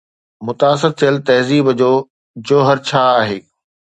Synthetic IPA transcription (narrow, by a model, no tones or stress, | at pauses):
mʊt̪aːsɪɾt̪ʰijəlt̪ɐɦziːbd͡ʑoː | d͡ʑoːɦɐɾt͡ɕʰaːaːɦeː